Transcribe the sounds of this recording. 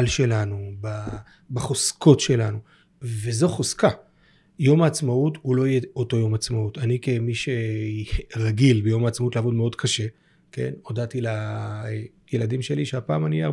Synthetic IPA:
lʃe̞lanuba | baχoskʰo̞tʃe̞lanu | ve̞zo̞χoska | jo̞maːt͡smautulo̞jeoto̞jo̞mat͡smautanikemiʃe̞ | ʁaɡilbejo̞maːt͡smautleavo̞dmeo̞dkʰaʃe̞ | ke̞̰no̞datila | jeladimʃe̞liʃeapaːmania

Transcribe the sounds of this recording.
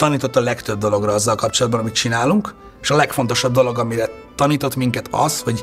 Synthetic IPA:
t̪ɒniːt̪ot̪ːɒlɛkt̪ø̞b̚d̪o̞lo̞ɡrɒɒzːɒlkɒp̚t͡ʃo̞lɒd̪bɒnɒmit̪̚t͡ʃinaːluŋk | eʃɒlɛkfo̞nt̪o̞ʃɒb̚d̪o̞lo̞ɡɒmiɾɛ | t̪ɒniːt̪o̞t̪miŋkɛt̪ʰɒ̰sho̞ɟ

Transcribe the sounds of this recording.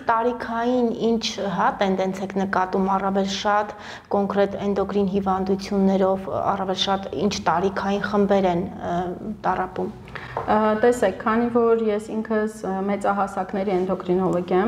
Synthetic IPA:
t̪ɑɾikʰɑjinint͡ʃʰɦɑt̪ɛnd̪ɛnt͡sʰɛkʰnəkɑt̪umɑrɑvɛlʃɑt̪ | kɔŋkɾɛt̪ɛnd̪ɔkɾinɦivɑnd̪ut͡sʰjunːɛɾɔvɑ̰rɑvɛlʃɑt̪ḭnt͡ʃʰt̪ɑɾikʰɑjinχəmbɛɾɛn | t̪ɑrɑpum | t̪ɛsɛkʰːɑnivɔɾjɛsiŋkʰəsmɛt͡sɑɦɑsɑknɛɾiɛnd̪ɔkɾinɔlɔɡʲjɛm

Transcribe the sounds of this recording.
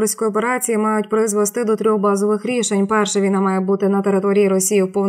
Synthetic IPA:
ɾsʲkɔjɔpeɾɑt͡sʲijimɑjʊtʲpɾɪzʋɛst̪ɪd̪ɔt̪ɾʲɔxbɑzɔʋɪxɾʲiʃenʲpɛrʃɛʋʲinɑmɑjeɛbut̪ɪnɐt̪eɾɪt̪ɔɾʲijiɾɔsʲijiwpɔwn

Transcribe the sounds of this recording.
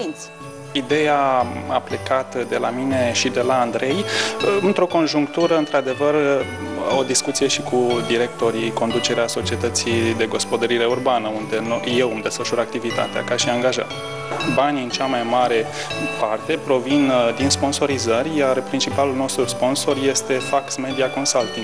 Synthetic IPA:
insʲ | id̪e̞jaa̰ple̞kat̪əd̪e̞lamine̞ʃid̪e̞laːnd̪ɾe̞jɨnt̪ɾo̞ko̞nʒuŋkt̪uɾəɨnt̪ɾad̪e̞vər | o̞d̪iskut̪sije̞ʃikʰud̪iɾe̞k̚t̪o̞ɾiko̞nd̪ut͡ʃe̞ɾeaso̞t͡ʃie̞t̪ət̪sid̪e̞ɡo̞spo̞d̪əɾiɾe̞urbanəund̪e̞noje̞wamd̪e̞sfəʃuɾak̚t̪ivit̪a̰t̪ea̰kaʃiaŋɡaʒa̰t̪ | baniɨnt͡ʃamajmaɾe̞ | part̪e̞pɾo̞vind̪inspo̞nso̞ɾizərʲjarpɾint͡ʃipalulno̞st̪ɾuspo̞nso̞rje̞st̪e̞faksme̞d̪iako̞nsalt̪iŋ

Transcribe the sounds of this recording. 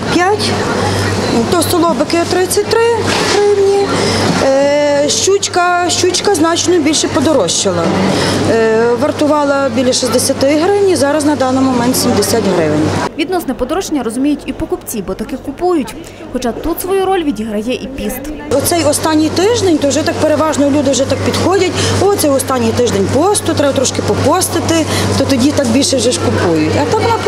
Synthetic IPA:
pʲjatʲ | t̪ɔst̪ɔlˠɔbɪkɪɔt̪ɾɪt͡sʲːɐt̚ʲt̪ɾɪɦɾɪwnʲi | ʃt͡ʃut͡ʃkɐʃt͡ʃut͡ʃkɐznɑt͡ʃnɔbʲilʲʃɛpɔd̪ɔɾɔʃt͡ʃɪlˠɐ | ʋɐrt̪ʊʋɑlˠɐbʲilʲɐʃisd̪esʲɐt̪ɪɦɾɪwnʲizɑɾɐznɐd̪ɑnːɪjmɔmɛnt̪sʲimd̪esʲatʲɦɾɪʋnʲʋʲid̪nɔsnɛpɔd̪ɔɾɔʃt͡ʃenʲːɐɾɔzʊmʲijʊtʲipɔkʊpt͡sʲibɔt̪ɐkɪkʊpujʊtʲ | xɔt͡ʃɑt̪ut̪sʋɔjuɾɔlʲʋʲidʲiɦɾɐjɛʔipʲist̪ɔt̪sɛjɔst̪ɑnʲːijt̪ɪʒd̪enʲt̪ɔwʒɛt̪ɑk̚peɾeʋɑʒnɔɔlʲud̪ɪwʒɛt̪ɑk̚pʲid̪xɔdʲɐtʲɔt̪sɛɔst̪ɑnʲːijt̪ɪʒd̪enʲpɔst̪ʊt̪ɾɛbɐt̪ɾɔʃkɪpɔpɔst̪ɪt̪ɪt̪ɔt̪ɔdʲit̪ɑk̚bʲilʲʃɛwʒɛʒkʊpujʊtʲɐt̪ɑkʋɔnɑp

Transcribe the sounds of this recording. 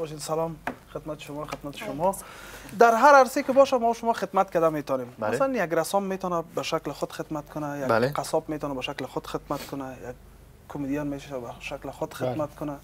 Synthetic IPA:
ʃemsalɔmxɪd̪mat̪ɪ̥ʃʊmɔxɪd̪mat̪ɪ̥ʃʊmɔ | d̪aɾɦaɾaɾsekɪbɔʃamɔʃʊmɔxɪd̪mat̪̚kad̪amet̪ɔnemmasalanjaɡɾasɔmːet̪ɔnabaʃaklɪxʊd̪xɪd̪mat̪kʰʊnajaleqasɔbmet̪ɔnabaʃaklɪxʊd̪̥xɪd̪mat̪kʰʊnajaɡ̚ | kʰːʊmed̪ijɔnmeʃaʃabaʃaklɪxʊd̪xɪd̪mat̪̚kʊna

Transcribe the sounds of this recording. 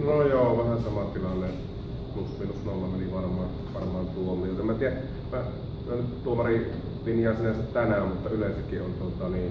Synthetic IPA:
nojoːʋæhænsɑmɑt̪ilɑnːe | plusminusnolːɑmeniʋɑrmɑ | ʋɑrmɑːnt̪uomˑit̪æmːæt̪iæ | ʋæ | kylænyt̪t̪uomɑri | linjɑˑːsinæsæt̪t̪ænæmmut̪ːɑylensækːiont̪ot̪ɑniːn

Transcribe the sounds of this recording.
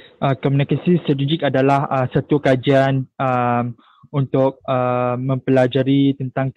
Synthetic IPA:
ʔəkɔmunikasist̪ɾat̪id͡ʒɪkadalahəsat̪ukad͡ʒianəm | unt̪ʊk̚əmə̃mpəlad͡ʒaɾit̪ənt̪aŋ

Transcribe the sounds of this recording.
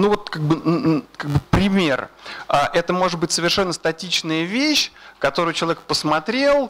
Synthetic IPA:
nuvo̞t̪̚kaɡ̚bɨkaɡ̚bɨpɾʲɪmʲe̞raʔɛt̪əmo̞ʐɨt̪̚bɨtʲsəvʲɪrʂɛnːəst̪ɐtʲit͡ɕnəjəvʲeɕkɐt̪o̞ɾʊjʊt͡ɕɪlˠɐvʲekpəsmɐt̪ɾʲelˠ

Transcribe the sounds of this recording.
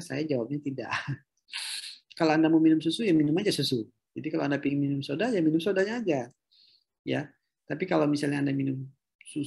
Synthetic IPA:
sa̰jad͡ʒawap̚ɲat̪ida̰ʔ | kalaandamuminʊmsusujaŋminʊmad͡ʒasusu | d͡ʒadikalawandapiŋminʊmsodajaminʊmsodaɲaːd͡ʒa | ja | t̪apikalawmisalɲaːndaminʊm | su

